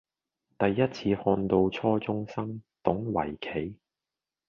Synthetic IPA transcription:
t̪ɐ˨jːɐ˥t̚t͡sʰiː˧hɔː˧nt̪o˧wt͡sʰɔː˥t͡sʊ˥ŋsɐ˥ŋt̪ʊ˨˥ŋwɐ̰˨˩jkʰe˨˥j

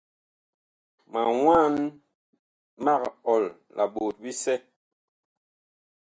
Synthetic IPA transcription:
ma˨ŋwa˦n | ma˦˨kɔ˨l | lʔa˨ɓo˨t̚bi˦sɛ˦

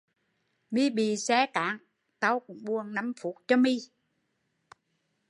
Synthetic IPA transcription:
mi˧ɓi˨˩sɛ˧˦ka̰ː˨˥ŋ | t̪a˧wkʊ̰˧˥ŋ͡mɓu˧ənna˨˧˦mfu˧˩˥t̚t͡ɕɔ˧mi˧

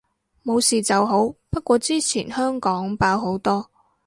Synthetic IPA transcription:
mo˨˧wsiː˨t͡sɐ˨wɦo˨˥wpɐ˥t̚kʷɔː˧t͡siː˥t͡sʰḭː˨˩nhœː˥ŋkɔː˨˥ŋpaː˧wɦo˨˥wt̪ɔː˥

